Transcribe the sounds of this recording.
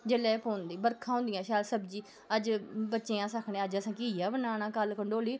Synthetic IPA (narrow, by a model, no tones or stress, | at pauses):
d͡ʒeːlɛːpoːnd̪iːbəɾkʰãːɦʊ̃nd̪ɪjãːʃaːlsəbd͡ʒiː | əd͡ʒbətːʃẽːãːsəkʰɳẽːəd͡ʒəsãːkijaːbənaːñaːkəlkəɳɖoːliː